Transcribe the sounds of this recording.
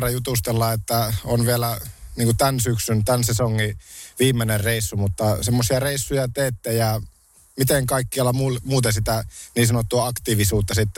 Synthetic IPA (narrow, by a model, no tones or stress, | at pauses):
rɑjut̪ust̪elːɑet̪ːæonʋielæniːŋkut̪ænsyksynt̪ænsesoŋːiʋiːmːenerreisːumut̪ːɑsemːosiɑreisːujɑt̪eːt̪ːejɑ | mit̪eŋkɑikːiɑlːɑmumuːt̪ensit̪æniːsɑnot̪ːuɑɑkt̪iːʋisuːt̪ːɑsit̪ː